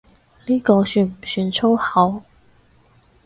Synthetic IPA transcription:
liː˥kɔː˧syː˧nm̩˨˩syː˧nt͡sʰo˥whɐ˨˥w

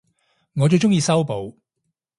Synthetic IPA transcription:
ŋɔː˨˧t͡so˧wt͡ʃʊ˥ŋjiː˧sɐ˥wpo˨˧w

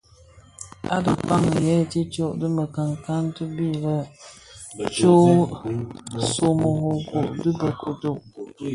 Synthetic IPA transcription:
a̰˦də˨pa˦ŋə˨jɛ˦˨ti˦t͡ʃo˦˨ʔdɨ˦mə˨ka˨ŋka˦ntɨ˦bi˦lə˦ | t͡ʃo˦ | so˨mo˨ho˨ko˨ʔdɨ˦bə˨kʰo˨to˨ʔ

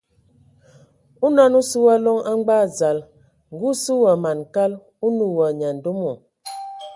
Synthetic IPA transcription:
u˦na˦nu˦su˦wa˦lɔ˦ŋa˦ŋ͡mɡ͡ba˦˨za˨l | ŋ˨ɡu˦su˦wa˨ma˨n˨ka˦l | u˦nu˨wa˨ɲa˨n̩˨do˦mo˨

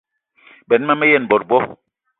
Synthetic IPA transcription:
bɛ˨n˦ma˦mɛ˦jɛ˦˨n˨bɔ˨ɾ̚bɔ˦

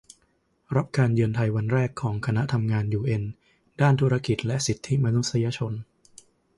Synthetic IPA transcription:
ɾa˦˥p̚kaː˧njɯ˧nt̪ʰa˧jwa˧nɾɛː˥˩kʰːɔː˩˦ŋkʰa˧na˦˥t̪ʰa˧mŋaː˧njuː˧ʔe˧n | daː˥˩nt̪ʰu˦˥ɾa˧ki˨˩t̪̚lɛ˦˥ʔsi˨˩t̪ʰːi˦˥ma˧nu˦˥sa˧jaː˧t͡ɕʰo˧n

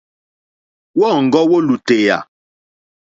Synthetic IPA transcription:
wɔ˦˨ŋ̩˨ɡɔ˦wo˦lu˨te˨ja̰˨

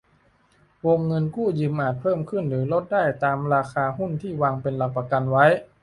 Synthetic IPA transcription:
wo˧ŋːɤ˧nkuː˥˩jɯː˧mʔaː˨˩t̪̚pʰɤː˥˩mkʰɯ˥˩nɾɯː˩˦lo˦˥t̪̚daː˥˩jt̪aː˧mɾaː˧xaː˧ɦu˥˩nt̪ʰiː˥˩waː˧ŋpe˧nla˨˧˩k̚pa˧ka˧nwa˦˥j

